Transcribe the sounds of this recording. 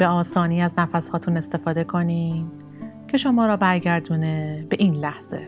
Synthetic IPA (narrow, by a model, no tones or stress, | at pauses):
b̥e̞ɒːsɒːniːæznæfæshɒːt̪ʰuːne̞st̪e̞fɒːd̪e̞kʰo̞niːm | cʰe̞ʃo̞mɒːɾɒːbæɾɟæɾd̪uːnebe̞ʔiːnlæhz̥e̞̰